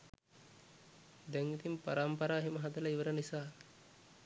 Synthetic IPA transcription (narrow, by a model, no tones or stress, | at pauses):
d̪ɛŋit̪impa̰ɾampɐɾaːɦiməɦad̪ɐlɐiʋəɾənisaː